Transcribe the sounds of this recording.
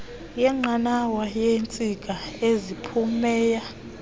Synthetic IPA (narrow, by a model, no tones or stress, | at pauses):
jɛŋ͡ǃanawajent͡sʼik̬ʼaezipʰumɛːja